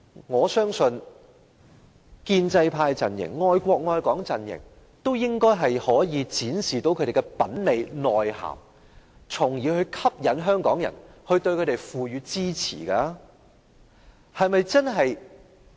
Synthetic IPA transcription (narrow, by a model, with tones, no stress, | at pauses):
ŋɔː˨˧sœː˥ŋsɵ˧n | kiː˧nt͡sɐ˧jpʰaː˧jt͡sɐ̰˨njɪ̰˨˩ŋŋɔː˧jkʷɔː˧k̚ŋɔː˧jkɔː˨˥ŋt͡sɐ˨njɪ̰˨˩ŋ | t̪o˥wjɪ˥ŋkɔː˥jɦɐ˨jhɔː˨˥jiː˨˧t͡siː˨˥nsiː˨t̪o˨˥wkʰɵ˨˧ɾe˨˩˧kɛ˧pɐ˨˥nne˨˧jnɔː˨˩jha̰ː˨˩m | t͡sʰʊ˨˩ŋjiː˨˥hɵ˧ɥkʰɐ˥p̚jɐ˨˥nɦœː˥ŋkɔː˨˥ŋjɐ̰˨˩nhɵ˧ɥt̪ɵ˧ɥkʰte˨˩jfuː˨ɥyː˨˧t͡siː˥t͡sʰḭː˨˩kaː˧˥ | hɐ˨jmɐ˨jt͡sɐ˥nɦɐ˨j